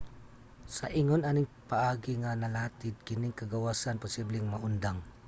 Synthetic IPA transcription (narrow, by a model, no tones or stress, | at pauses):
sɐʔiŋonanɪŋpɐʔaːɡɪŋɐnɐlaːt̪ɪd̪̚kɪnɪŋkɐɡɐwaːsanpʊsiblɪŋmɐʔʊnd̪aŋ